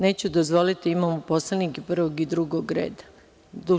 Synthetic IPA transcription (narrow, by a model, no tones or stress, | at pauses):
ne̞ːt͡ɕud̪ozʋo̞lit̪iimamopo̞slenikipr̩ʋoɡid̪ɾuɡoɡɾḛːd̪a | d̪u